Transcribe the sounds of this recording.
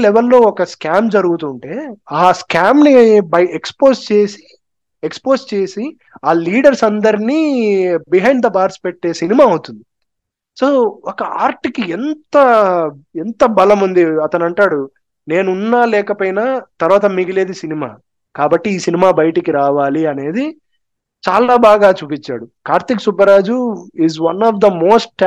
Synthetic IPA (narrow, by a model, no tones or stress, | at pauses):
lɛʋelːo̞ːɔkɐskaːmd͡ʒɐɾuɡut̪uɳʈe̞ːaːskaːmnibɐjekspo̞ːst͡ʃe̞ːsi̥ | ekspo̞ːst͡ʃe̞ːsi | aːliːɖɐɾsɐnd̪ɐɾiniːbiɦɐjɳɖd̪ɐbaːɾspeʈːe̞ːsinimaːɐwut̪und̪i | so̞ːɔkɐaːɾʈikient̪ɐ | ɛnt̪ɐbɐlɐmund̪iɐt̪ɐnɐɳʈaːɽu | ne̞ːnunːaːlɛːkɐpoːjnaːt̪ɐɾʋaːt̪̬ɐmiɡile̞ːd̪isinima̰ː | kaːbɐʈːiiːsinimaːbɐjɐʈikiɾaːʋaːliɐne̞ːd̪i | t͡ʃaːlaːbaːɡaːt͡ʃuːpit͡ʃːa̰ːɽukaːɾt̪iksubɐɾaːd͡ʒuizʋɐnɔːʋd̪ɐmo̞ːsʈ